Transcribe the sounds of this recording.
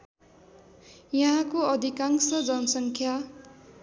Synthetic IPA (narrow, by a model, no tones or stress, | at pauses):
jʌɦãkoʌd̪ʱikaŋsʌd͡zʌnʌsʌŋkʰja